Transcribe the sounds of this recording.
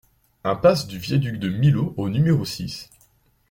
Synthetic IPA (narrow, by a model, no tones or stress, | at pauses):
ɛ̃pasd̪yvjɛd̪yk̚d̪əmiloʔonymeʁosis